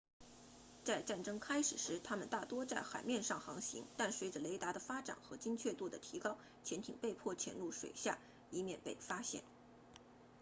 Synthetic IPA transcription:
t͡sa˥˧ɪʈ͡ʂa˥˩nʈ͡ʂɤ˥ŋkʰa˥ɪʂɻ̩˨˩ʂɻ̩˧˥t̪ʰa˥mə˨nt̪a˥˩t̪wɔ˥t͡sa˥˩ɪxa˨˩ɪmjɛ˥˧nʂɑ˥˩ŋxɑ˧˥ŋɕḭ˧˥ŋt̪a˥˩nswe˧˥ɪʈ͡ʂə˨le˧˥ɪt̪a˧˥d̪ə˧˨fa˥ʈ͡ʂa̰˨˩nxɤ˧˥t͡ɕi˥ŋt͡ɕʰɥɛ˥˧t̪u˥˩d̪ə˩t̪ʰi˧˥kɑ˥ʊ | t͡ɕʰjɛ˧˥nt̪ʰḭ˨˩ŋpe˥˧ɪpʰwɔ˥˩t͡ɕʰjɛ̰˧˥nlu˥˩ʂwḛ˨˩ɪɕja̰˥˩ | i˧˥mjɛ̰˥˧npe˥˩ɪfa˥ɕjɛ̰˥˩n

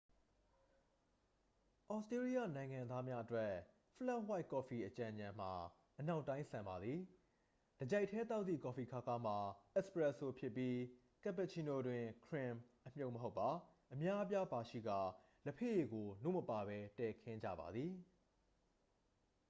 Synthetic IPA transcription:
ʔɔ˨stɹe˦ɹi˦ja˦˨nã˨ɪ̃ŋã˨nd̪ða˦mja˦ʔətwɛ˦ | fə˦lɛ˦wa˦ɪkɔ˨fi˨ʔət͡ɕã˨ɲã˨m̥a˨ | ʔəna˦ʊʔtːã˦ɪ̃sã˨mba˨d̪ði˨ | d̥əd͡ʑɛ˦˨ɪtʰːɛ˦t̪a˦ʊt̪ːḭ˦˨kɔ˨fi˨kʰa˦˨ka˦m̥a˨ʔɛ˦spɹɛ˦˨ʔso˨pʰjɪ˦pːji˦ | kɛ˦˨pɛ˨t͡ɕʰi˨no˨dwɪ̃˨kʰɹɪ̃˨mʔəm̥jo˦ʊʔməɦo˦ʊpːa˨ʔəmja˦ʔə˦pja˦ba˨ʃḭ˦˨ɡa̰˦˨ | ləpʰḛ˦˨je˨ɡo˨no̰˦˨məpa˨βɛ˦tɛ˨kʰɪ̃˦ɲd͡ʑä̰˦˨ba̰˨d̪ði˨

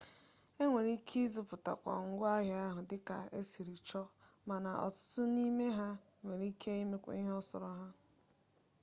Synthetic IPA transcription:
e˦ŋʷe˨ɾi˦kʰi˦zu˨pʊ˨ta̰˨kʷa̰˨ŋ̩˨ɡʷʊ˦a˦ɦɪ˨a˦ɦʊ˨dɪ˦ka̰˨e˦si˨ɾi˨t͡ʃɔ˦ | ma˨na˨ʔɔ̰˨tʊ̥˦tʊ˦ni˦me˦ɦa˦ | ŋʷe˨ɾi˦kʰe˦i˦me˦kʷa̰˦i˦ɦɔ˦sɔ̰˨ɾɔ˦ɦa˦

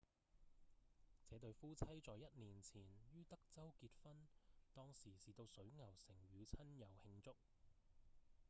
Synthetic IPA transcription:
t͡sɛː˨˧˥t̪ɵ˧ɥfuː˥t͡sʰɐ˥jt͡sɔː˨jːɐ˦˥t̚niː˨˩nt͡sʰiː˨˩njyː˥t̪ɐ˥k̚t͡sɐ˥wkiː˧t̚fɐ˥nt̪ɔː˥ŋsiː˨˩siː˨t̪o˧wsɵ˨˥ɥŋɐ˨˩wsɪ˨˩ŋɥyː˨˧wt͡sʰɐ˥njɐ˨whɪ˧ŋt͡sʊ˥k̚

